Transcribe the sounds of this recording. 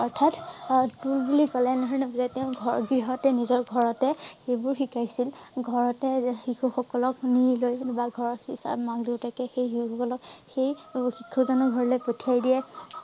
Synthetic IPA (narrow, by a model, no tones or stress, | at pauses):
ɔɹtʰattulbulikɔlɛnaɦɹnɔbzateʊ̃ɡʱɔɹɡɹiɦɔtɛnizɔɹɡʱɔɹɔtɛxejbʊɹxikajsilɡʱɔɹɔtɛxixuxɔkɔlɔknilojbaɡʱɔɹɔxisa̰maɡdiwtakɛxejɦixɔkɔlɔkxejxikʰːɔzɔnɔɡʱɔɹɔlejpotʰiajdiɛ